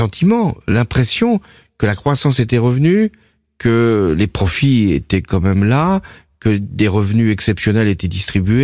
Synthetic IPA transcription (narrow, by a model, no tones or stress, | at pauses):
ɑ̃t̪ʰimɑ̃lɛ̃pχesjɔ̃ | kəlakχwasɑ̃set̪ɛʁəvny | kəlepχɔfiet̪ɛkɑ̃mɛmla | kəd̪eʁəvnyɛksɛpsjɔnɛlet̪ɛd̪ist̪χibye